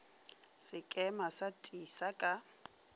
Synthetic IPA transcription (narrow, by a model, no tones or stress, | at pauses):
sɪkʼɛmasatʼisakʼa